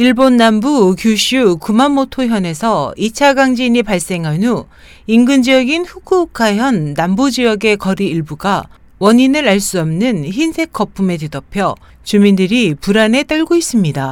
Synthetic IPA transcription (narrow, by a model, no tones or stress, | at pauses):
iɭbonːambukjuɕ͈ukumamːotʰoçjʌne̞sʰʌit͡ɕʰaɡaŋd͡ʑiɲipaɭs͈e̞ŋɦanu | iŋɡɯnd͡ʑijʌɡinɸuɡukʰajʌnːambud͡ʑijʌɡe̞kʌɾiːɭbuɡa | wʌɲinɯɾaɭs͈uʌmnɯnçinsʰe̞k͈ʰʌp͈ʰːume̞tedʌpʰjʌ | t͡ɕumindɯɾipuɾane̞t͈ɯɭɡois͈ɯmɲida